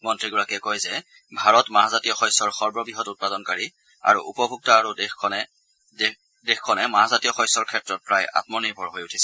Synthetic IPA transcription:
mɔntɹiɡɔɹakɛkojzɛ | bʱaɹɔtmaɦazatijɔxɔjsɔɹxɔɹbɔbiɦɔtut̚padɔnkaɹi | a̰ɹuʔṵpɔbʱuk̚tɔːɹudɛxkʰɔnɛ | dɛxkʰːɔnɛmaɦazatijɔxɔjsɔɹkʰɛtɹɔt̚pɹaja̰tmɔnibʱɔɹɦojutʰi̥sɛ

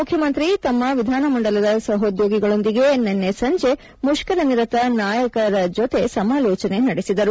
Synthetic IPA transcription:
mukʰjɐmɐnt̪ɾit̪ɐmːɐʋid̪ʱaːnɐmɐɳɖɐlɐd̪ɐsɐɦod̪joːɡiɡɐɭo̞nd̪iɡe̞nːenːesɐɲd͡ʒe̞ | muʃkɐɾɐniɾɐt̪ɐnaːjɐkɐɾɐd͡ʒot̪e̞sɐmaːlɔːt͡ʃɐne̞nɐɽesid̪ɐɾu

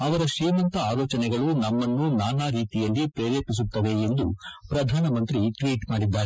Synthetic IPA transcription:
ɐʋɐɾɐʃeːmɐnt̪ɐaːloːt͡ʃɐnɛɡɐɭunɐmːɐnːunaːnaːɾiːt̪ijɐlːipɾeːɾjɐpis̬ut̪ːɐʋe̞end̪upɾɐd̪ʱaːnɐmɐnt̪ɾiʈʋiːʈmaːɽid̪ːaːɾe

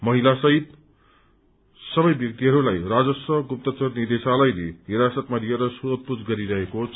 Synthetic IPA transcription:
mʌɦilasʌɦit̪ | sʌbʌjbjʌk̚t̪iɦʌɾulajrad͡zʌsʌɡup̚t̪ʌt͡sʌrnid̪esalʌjlḛɦiɾasʌt̪malieɾʌsut̪̚pud͡zɡʌɾiɾʌɦekot͡s

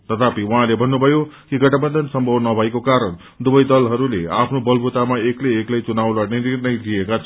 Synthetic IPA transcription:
t̪ʌt̪ʰapiuɦãlebʱʌnːubʱʌjokiɡʌʈʰʌbʌnd̪ʱʌnsʌmbʱʌwnʌbʱʌekokaɾʌn | d̪ubʌjd̪ʌlɦʌɾulea̰pʰnobʌlbʱut̪amaekleːklʌjt͡sunawlaninirnʌjliekat͡sʰʌ

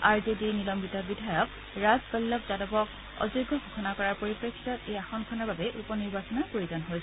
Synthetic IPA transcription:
aɹzedinilɔmbitabidʱajɔk̚ | ɹazbɔlːɔpzadɔpɔk̚ | ɔ̰zoɡʱɔɡʱuxʰɔnakɔɹaɹpoɹipɹekʰːitɔtejaxɔnkʰɔnaɹbabɛʔupɔniɹbasɔnapɹoɹizanɦojsɛ

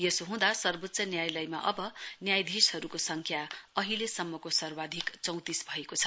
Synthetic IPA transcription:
jesoɦũd̪asʌrbot̪ːsʌnjajlʌjma̰ʔʌbʌnjajd̪ʱishʌɾukosʌŋkʰjaʌɦilesʌmːʌkosʌrwad̪ʱikt͡sʌw̃t̪isbʱʌekot͡sʰʌ̥

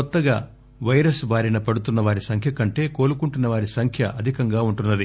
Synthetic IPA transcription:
kɔt̪ːɐɡa̰ː | ʋɐjɾɐsbʱaːɾinɐpɐɽut̪unːɐʋaːɾisɐŋkʰjɐkɐɳʈe̞ːko̞ːlukuɳʈunːɐʋaːɾisɐŋkʰjɐʔɐd̪ʱikɐŋɡaːuɳʈunːɐd̪i

